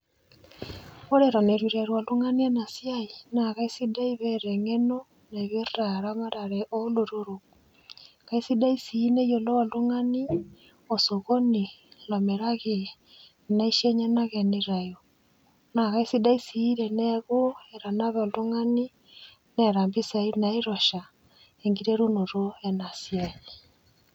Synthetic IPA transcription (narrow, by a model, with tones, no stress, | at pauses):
o˦ɾeɾa˨neɾwiɾe˨ɾwa˨lu˦ŋani˦e˦na˨sjainaɣa˦isida˦i˦βeɾeŋeno˦ | naβjo˦rɾaɾama˦ɾaɾeʔoloɾoɾo | ka˦isi˦da˦i˦siː˦ne˦jo˨lo˦a˨lo˦ŋani˦ | osoɣo˦nilɔ˨meɾa˦ɣe | na˦i˦ʃe˦ɲa˦naɣe˨neɾa˨jo˨ | na˨ɣa˦isida˦i˦siː˦ɾenɛɣo˦eɾa˨na˦βɛo˨lo˦ŋani˦ | naɾa˨mbi˦sa˨inaiɾoʃa | eŋɡiɾeɾu˦no˨ɾo˦ena˨siaɲe